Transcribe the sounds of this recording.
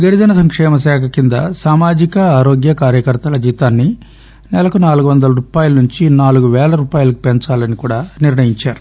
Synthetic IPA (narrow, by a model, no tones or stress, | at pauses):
ɡeɽid̪ɐnɐsɐŋkʂɛːmɐs̬ɛːkʰɐkind̪ɐ̰saːmaːd͡ʒikɐaːɾoːɡjɐkaːɾjɐkɐɾt̪ɐlɐd͡ʒiːt̪aːnːi | nɛlɐkunaːluɡuʋɐnd̪ɐlɐɾuːpaːjulunuɲt͡ʃinaːluɡuʋɛːlɐɾuːpaːjulɐku̥peɲt͡ʃaːlɐnikuːɽaːniɾnɐjiɲt͡ʃaːɾu